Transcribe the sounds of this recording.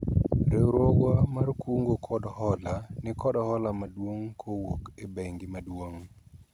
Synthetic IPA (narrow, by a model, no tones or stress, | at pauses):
ɾeɾɔwamarkuŋɡokʰɔdɔhɔlanɪkɔdɔhɔlamadwoŋkʰowokebeŋɡɪmadwoŋ